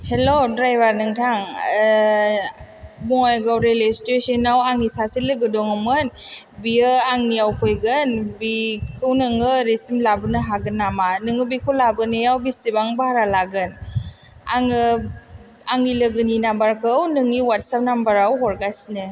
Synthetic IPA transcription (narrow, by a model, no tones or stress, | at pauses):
helodɾajbaɾnɯŋtʰaŋ | bɔŋajɡawɾelestesenawaŋisasilɯɡɯdɔŋɯmɯn | biɯaŋnijawpʰɔjɡɯnbikʰɯwnɯŋɯɾesimlabɯnɯɦaɡɯnːamanɯŋɯbikʰɯwlabɯnɯjawbisibaŋbahaɾalaɡɯn | aŋɯ | aŋilɯɡɯninambaɾkʰɯwnɯŋiwat̚sap̚nambaɾawɦɔɾɡajsnɯ